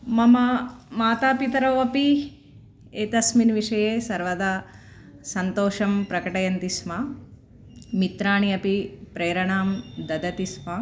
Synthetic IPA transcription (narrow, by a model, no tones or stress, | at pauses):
mɐmɐmaːt̪aːpit̪ɐɾɐːʋɐpi | eːt̪ɐsminʋiʂɐjeːsɐɾʋɐd̪a | sɐnt̪oːʃɐmpɾɐkɐʈɐjɐnt̪isma | mit̪ɾaːɳiɐpipɾeːɾɐɳaːmd̪ɐd̪ɐt̪ismɐ